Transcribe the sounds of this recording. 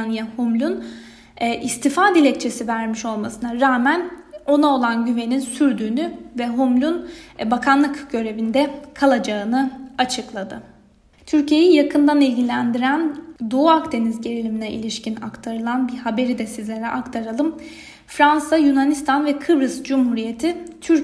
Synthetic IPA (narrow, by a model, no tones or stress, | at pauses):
njahumlʲun | ʔist̪ʰifaːd̪ilʲɛc̚t͡ʃʰe̞sivæɾmiʃo̞lˠmasɯnaɾaːmæno̞nao̞lˠanɟyve̞ninsyɾd̪yːnyvɛɦumlʲunbakʰanlˠɯkɟø̞ɾe̞vind̪ɛkʰalˠad͡ʒaɯnɯat͡ʃʰɯklˠad̪ɯ | t̪ʰyɾcʰije̞jijakʰɯnd̪anilʲɟilʲænd̪iɾænd̪oakd̪e̞nizɟe̞ɾilʲiminɛʔḭlʲiʃcina̰kt̪ʰaɾɯlˠanbiɾhabe̞ɾid̪ɛsizlʲe̞ɾɛʔakt̪ʰaɾalˠɯm | fɾansajunanist̪ʰanvɛkʰɯbɾɯzd͡ʒumhuɾije̞t̪ʰit̪ʰyɾ